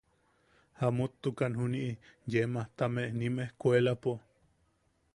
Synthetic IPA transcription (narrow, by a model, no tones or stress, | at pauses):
hamut̪ːukanɦuniʔijemaht̪ameʔnimehkuelapo